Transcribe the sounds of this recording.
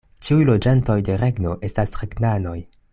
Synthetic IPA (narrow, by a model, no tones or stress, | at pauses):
t͡ʃiujlo̞d͡ʒanto̞jde̞ɾe̞ɡno̞ʔe̞stasɾe̞ɡnano̞j